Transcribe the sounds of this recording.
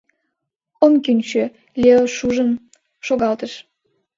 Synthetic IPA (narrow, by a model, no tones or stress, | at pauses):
omkynʲt͡ɕø | lʲeoʃuʒəm | ʃoɣɑlt̪əʃ